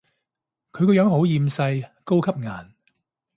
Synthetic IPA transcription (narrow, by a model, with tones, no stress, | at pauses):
kʰɵ˨˧ɥkɔː˧jœː˨˥ŋɦo˨˥wjiː˨˧msɐ˧jko˥wkʰɐ˥p̚ŋa̰ː˨˩n